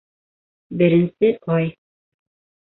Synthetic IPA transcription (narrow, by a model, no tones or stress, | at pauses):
bɘ̆ɾɘ̆nsɘʔɒj